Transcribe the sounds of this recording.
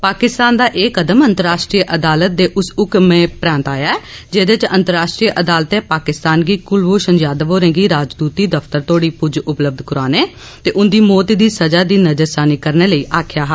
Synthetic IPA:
paːkɪst̪aːnd̪aːʔeːkəd̪əmə̃nt̪əɾaːʃʈɾiːʔəd̪aːlət̪̚d̪eːʔʊsʊkmẽːpɾãːnt̪aːjaːɛːd͡ʒeːd̪ɪt͡ʃə̰̃nt̪əɾaːʃʈɾiːʔəd̪aːlt̪eːpaːkɪst̪aːnɡiːkʊlʋoːʃənd͡ʒaːd̪ʋoːɾẽːɡiːɾaːd͡ʒd̪uːt̪iːd̪əft̪əɾt̪oːɽiːpʊd͡ʒʊpləb̚d̪kʊɾaːneː | t̪eːʔʊnd̪iːmɔːt̪iːd̪iːsəd͡ʒaːd̪iːnəd͡ʒəɾsaːniːkəɾneːləiːʔaːkʰjaːɦ

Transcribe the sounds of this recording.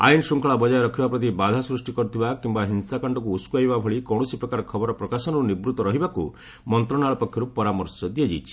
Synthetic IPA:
a̰jnsuŋkɔɭabɔd͡ʒajɔɾɔkʰibapɾɔt̪̬ibad̪ʱasɾusʈikɔɾut̪ʰibakimbaɦinsakɔɳɖɔk̬uːskuajbabʱɔɭikɔɽ̃ɔsipɾɔkaɾɔkʰɔbɔɾɔpɾɔkasɔnɔɾunibɾut̪ɔɾɔɦibaku | mɔnt̪ɾɔnaɭɔpɔkʰjɔɾupɔɾamɔɾsɔd̪ied͡ʒejt͡ʃʰi̥

